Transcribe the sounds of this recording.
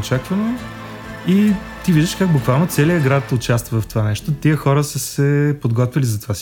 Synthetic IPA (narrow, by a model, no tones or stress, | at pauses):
t͡ʃakvəno | i | t̪iviʒd̪əʃkaɡ̚bʊkvalˠnot̪sɛliəɡɾat̪ʊt͡ʃast̪vəvɐft̪ovanɛʃt̪ot̪iəxɔɾəsəsɛpod̪ɡɔt̪vʲilizɐt̪ovas